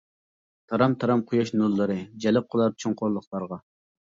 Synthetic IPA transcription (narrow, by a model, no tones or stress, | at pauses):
t̪ʰɑɾɑmt̪ʰɑɾɑmqʰʊjɑʃnulˠːɨɾɨd͡ʒɛlɪp̚qʰəlˠɑɾ̚t͡ʃʰoŋqʰʊɾlˠəχlˠɑɾʁɑ